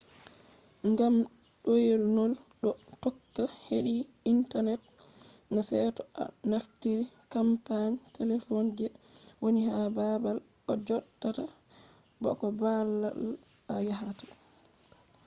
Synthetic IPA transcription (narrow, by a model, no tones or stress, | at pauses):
ŋɡam | ɗojelnɔlɗɔtɔkːaheɗi | intanɛt̚ | nasɛtɔʔa̰naftiɾikampaɲtʰɛlɛfɔnd͡ʒɛwonihababal | ɔd͡ʒɔɗːata | bɔ̰kɔbalːa̰l | ajaɦatḁ